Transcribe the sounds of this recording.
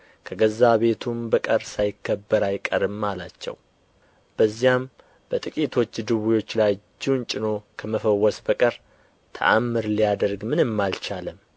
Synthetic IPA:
kʰəɡəzaβe̞t̪ʰumbəkʼəɾsajɪkʰːəbːəɾajkʼəɾɨmːalat͡ʃːɛ̰w | b̥əzːijam | b̥ət̪ʼɨkʼit̪ʰo̞t͡ʃːd̪ɨβujo̞t͡ʃːlajd͡ʒːɪwnt͡ʃʼɪno̞kʰəməfəwːɔsbəkʼəɾ | t̪ʰə̰ʔa̰mːɨɾlijad̪əɾɡmɨnɨmːalt͡ʃalɨm

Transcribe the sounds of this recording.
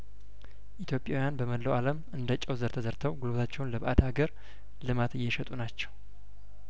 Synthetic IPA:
ʔit̪ʰjo̞pʼjawjanbəməlːəwaləmɨnd̪ət͡ʃʼːɛwzəɾt̪ʰəzəɾt̪ʰəwɡulobt̪ʰat͡ʃːɛwnləbʔad̪aɡəɾ | lɨmat̪ɨjːɛʃɛt̪ʼunat͡ʃːɛw

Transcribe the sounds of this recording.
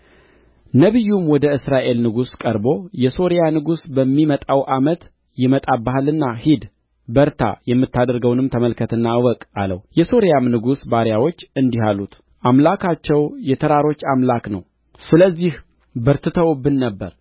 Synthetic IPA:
nəβɨjːumwɔd̪əɨsɾaʔe̞lnɨɡuskʼəɾbo̞jɛso̞ɾijanɨɡusbəmːimət̪ʼawʔamət̪ | jɪmət̪ʼabaɦalɨnːahid̪ | bəɾt̪ʰa̰jɛmːɨt̪ːad̪əɾɡəwnɨmt̪ʰəməlkʰət̪ʰɨnːawɔkʼa̰lə̰wjɛso̞ɾjamnɨɡusbaɾjawo̞t͡ʃːɨnd̪iɦalːut̪ | ʔamlakʰat͡ʃːɛwjɛt̪ʰəɾaɾo̞t͡ʃːamlaknə̰w | sɨləzːih | bəɾt̪ʰɨt̪ʰəwɔbɨnːəbːəɾ

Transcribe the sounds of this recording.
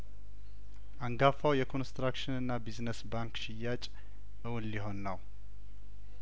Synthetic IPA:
ʔaŋɡafawjɛkʰo̞nst̪ɾakʃɪnɨnːabiznəsbaŋkʃɪjat͡ʃʼ | ʔɨwʊnliɦo̞nːəw

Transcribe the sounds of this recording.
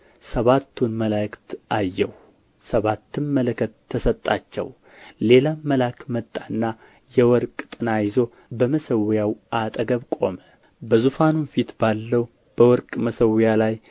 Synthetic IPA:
səβat̪ʰːunməlajkt̪ajːɛw | səβat̪ːɨnmələkʰət̪ʰːəsət̪ʼːa̰t͡ʃːɛ̰w | le̞laməlakmət̪ʼːanːa | jɛwɔɾkʼt̪ʼɨnajɪzo̞ | bəməsəwjawʔat̪ʼəɡəβkʼo̞mə | bəzufanunfit̪balːəw | b̥əwɔɾkʼməsəwjalaj

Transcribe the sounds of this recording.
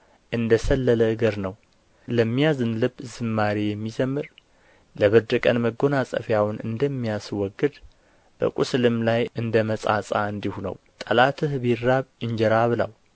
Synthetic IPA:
ʔɨnd̪əsəlːələɨɡəɾnəw | ləmːijazɨnlɨbzɨmːaɾijɛmːizəmːɨɾ | ləβəd̪əkʼənməɡo̞nasʼə̰fjawʊnʔɨ̰nd̪əmːijaswɔɡːɨd̪ | b̥ə̰kʼuslɨmlajʔɨnd̪əməsʼa̰sʼa̰ɨnd̪ihunə̰w | t̪ʼəlat̪ʰɨhbiɾːaβjɨɲd͡ʒɛɾaβɨla̰w

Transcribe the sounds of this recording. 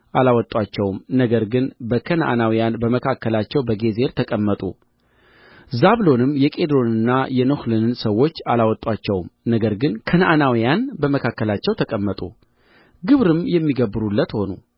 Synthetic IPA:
ʔalawɔt̪ʼwat͡ʃːɛwmnəɡəɾɡɨnbəkʰənʔa̰nawijanbəməkʰakːəlat͡ʃːɛwbəɡe̞ze̞ɾt̪ʰəkʼəmːət̪ʼṵ | zaβlo̞nɨmːjɛkʼe̞d̪ɾo̞nɨnːajɛnohlɨnɨnsəwːo̞t͡ʃːalawɔt̪ʼːwat͡ʃːɛwmnəɡəɾɡɨnkʰənanawijanbəməkʰakːəlat͡ʃːɛwt̪ʰəkʼəmːət̪ʼṵ | ɡɨβɾɨmjɛmːiɡəbːɨɾulːət̪ho̞nṵ

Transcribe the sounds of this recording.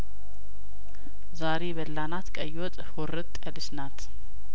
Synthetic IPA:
zaɾeβəlːanat̪kʼəjwɔt̪ʼhoɾɨt̪ʼəlɨsnat̪

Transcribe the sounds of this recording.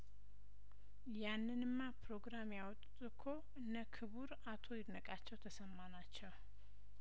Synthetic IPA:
janːɨnɨmːapɾo̞ɡɾamjawɔt̪ʼt̪ʼɨkʰo̞ʔɨnːəkʰɨβuɾ | at̪ʰo̞jɪdnəkʼat͡ʃːɛwt̪ʰəsəmːanat͡ʃːɛw

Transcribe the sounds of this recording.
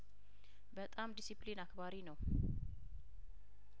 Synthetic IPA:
bət̪ʼamd̪isiplinakbaɾinəw

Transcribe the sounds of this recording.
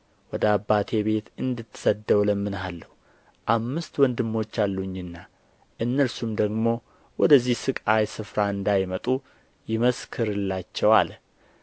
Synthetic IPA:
wɔd̪əabːat̪ʰe̞be̞t̪ɨnd̪ɨt̪ːsəd̪əwləmːɨnalːəhu | ʔamːɨst̪wɔnd̪ɨmːo̞t͡ʃːalːuɲːɨnːa | ʔɨnːəɾsumd̪əɡmo̞ | wɔd̪əzːihsɨkʼajsɨfɾaɨnd̪ajmət̪ʼu | jɪməskʰɨɾɨlːat͡ʃːɛwal

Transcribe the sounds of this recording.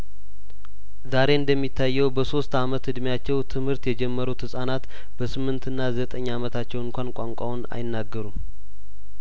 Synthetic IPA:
zaɾe̞ɨnd̪əmːit̪ʰːajːɛwbəso̞st̪amət̪ɨd̪mjat͡ʃːɛwt̪ʰɨmhɨɾt̪jɛd͡ʒɛmːəɾut̪hɨsʼanat̪ | b̥əsɨmːɨnt̪ʰɨnːazət̪ʼəɲːamət̪ʰat͡ʃːɛwɨŋkʷʰankʷʼaŋkʷʼauna̰jɪnːaɡːəɾum

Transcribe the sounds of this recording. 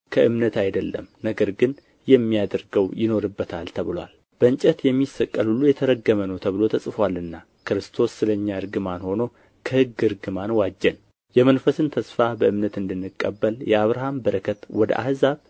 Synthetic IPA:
kʰəʔɨmnət̪ajd̪əlːə̰mnəɡəɾɡɨn | jɛmːijad̪əɾɡəwjɪno̞ɾɨbːət̪ʰalt̪ʰəβɨlwa̰l | b̥əɨɲt͡ʃʼɛt̪jɛmːisəkʼːəlhulːujɛt̪ʰəɾəɡːəmənəwt̪ʰəβɨlo̞t̪ʰəsʼɨfwalɨnːa | kɨɾɨst̪ʰo̞sːɨləɲːaɨɾɡɨmanho̞no̞ | kʰəhɨɡɨɾɡɨmanwad͡ʒːɛn | jɛmənfəsɨnt̪ʰəsfabəʔɨmnət̪ɨnd̪ɨnːɨkʼːə̰bːəljɛaβɾaɦambəɾəkʰət̪wɔd̪ə̰ʔa̰hzaβ

